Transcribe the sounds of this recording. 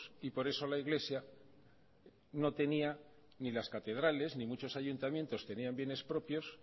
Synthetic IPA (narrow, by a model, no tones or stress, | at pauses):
sipo̞ɾe̞so̞laiɣle̞sja | no̞t̪e̞nia | nilaskat̪e̞ð̞ɾale̞znimut͡ʃo̞saʝunt̪amje̞nt̪o̞st̪e̞niambje̞ne̞spɾo̞pjo̞s